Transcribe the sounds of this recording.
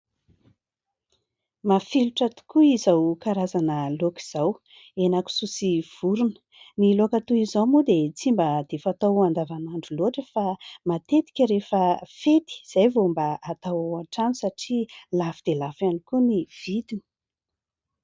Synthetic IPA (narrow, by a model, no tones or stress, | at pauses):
mafiluʈ͡ʂat̪u̥kuizawkaɾazanəloki̥z̥aw | enaku̥susiv̥uɾunə̥ | nilokat̪uizamud̪et͡simbəd̪̥efat̪awand̪avanaɳɖ͡ʐuloʈ͡ʂəfamat̪et̪i̥kʲəɾefəfet̪i̥z̥ajvombəat̪awaʈ͡ʂanisaʈ͡ʂilafid̪̥elafanikuniv̥id̪ini̥